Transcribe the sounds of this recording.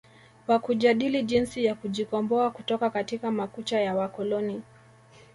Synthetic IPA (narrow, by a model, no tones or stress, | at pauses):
wakuʄaɗiliʄinsijakuʄikɔmbɔakutɔkakatikamakut͡ʃajawakɔlɔni